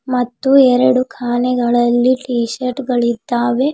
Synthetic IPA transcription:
mɐt̪ːuɛɾɐɽukʰaːnɛɡɐɭɐlːiʈiːʃɐɾʈɡɐɭid̪ːaːʋe

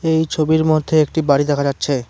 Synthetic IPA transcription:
ejt͡ɕʰobiɾmod̪ʱːeek̚ʈibaɽid̪ɛkʰad͡ʑatːɕʰe

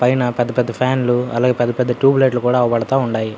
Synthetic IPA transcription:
pɐjnɐpɛd̪ːɐpɛd̪ːɐpʰaːnluɐ̰laːɡeːpɛd̪ːɐpɛd̪ːɐʈuːbleʈ̬lukuːɽaːɐʋɐbɐɽɐt̪aːuɳɖaːji

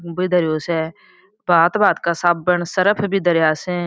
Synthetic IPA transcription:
biːd̪əɾjoːsɛː | baːt̪baːt̪kaːsaːb̚bəɳsəɾəpʰbʱiːd̪əɾjaːsẽː

